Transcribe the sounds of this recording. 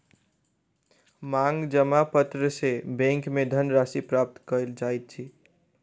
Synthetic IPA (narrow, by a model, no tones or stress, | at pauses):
maŋɡd͡ʒəmapət̪ɾəsebɛ̃ŋkmed̪ʱənɾasipɾap̚t̪kəld͡ʒajt̪̚t͡ʃʰi